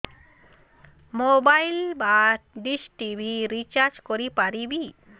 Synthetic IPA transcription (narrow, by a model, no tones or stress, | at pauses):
mobajlbaɖisʈibʱiɾit͡ʃaɾd͡ʒkoɾipaɾibi